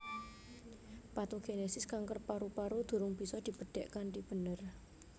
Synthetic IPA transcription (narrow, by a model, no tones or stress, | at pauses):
pat̪uɡ̥enesɪskaŋkərpaɾupaɾud̪̥ṳɾʊŋb̥i̤sɔd̪̥i̤bəɖ̥ɛʔkanʈib̥ə̤nər